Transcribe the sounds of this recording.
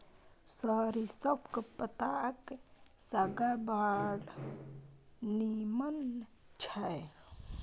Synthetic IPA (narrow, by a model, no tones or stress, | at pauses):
səɾisəbkepət̪akesaɡabaɽ | nimən | t͡ʃʰae